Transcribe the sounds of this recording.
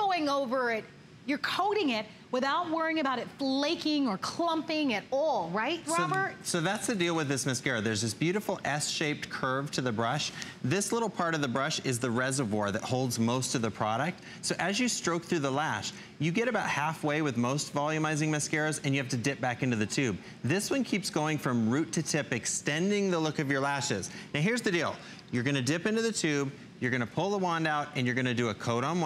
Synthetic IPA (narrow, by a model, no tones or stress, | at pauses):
oʊɪ̃ŋoʊvə˞ɪt̚ | jə˞kʰoʊɾɪ̃ŋɪt̚ | wɨθaʊt̚wɜ˞ɪ̃ŋɨbaʊɾɨtfleɪkɪ̃ŋə˞kʰl̥ʌ̃mpɪ̃ŋɨɾɔlˠɹaɪt̚ɹoʊbə˞t̚soʊðætsðɨdilˠwɨðɪsmɨskɛɹəðə˞zðɪsb̥jʉɾɨfl̩ˠɛsʃeɪp̚t̚kʰɜ˞v̥tʰɨðɨbɹʌʃ | ðɪslɪɾl̩ˠpʰɑɹɾʌvðɨbɹʌʃɪzðəɹɛzə˞vwɔɹðɨt̚hoʊlˠdzmoʊstʰɨvðɨpʰɹ̥ɑɾɨk̚t | soʊʔɨzjɨstɹ̥oʊk̚θɹʉðəlæʃ | jɨɡɛɾɨbaʊt̚hæfweɪwɨðmoʊstvɑlˠjʉmaɪzɪ̃ŋmɨskɛɹzɨ̃njɨhæftɨdɪp̚b̥ækɪ̃ntʉðɨtʰʉb̚ | ðɪswʌ̃nkʰipsɡ̥oʊɪ̃ŋfɹʌ̃mɹʉtʰɨtʰɪpɨkstɛ̃ndɪ̃ŋðəlʊkʌvjə˞læʃɪz̥naʊɦɪɹzðɨdilˠ | jə˞ɡʌnɨdɪpɪ̃ntʉðɨtʰʉb̚ | jə˞ɡʌñɨpʰʊlˠðəwɑ̃ndaʊɾɨ̃njə˞ɡʌñɨdɨəkʰoʊɾn̩